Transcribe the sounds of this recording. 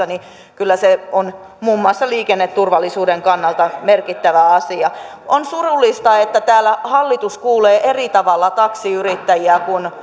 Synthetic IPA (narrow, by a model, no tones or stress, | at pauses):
ɑni | kylːæseon | muːmːuɑˑsːɑliːkenːet̪t̪urʋɑlːisuːdeŋkɑnːɑlt̪ɑmerkit̪ːæʋæɑsiɑ | ʔonsurulːˑist̪ɑet̪ːæt̪æːlæhɑlːit̪uskuːleːʔerit̪ɑʋɑlːɑt̪ɑksiyrit̪ːæjiækun